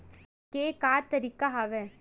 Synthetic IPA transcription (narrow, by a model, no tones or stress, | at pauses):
keːkaːt̪ːɐɾikːaɦɐʋɛ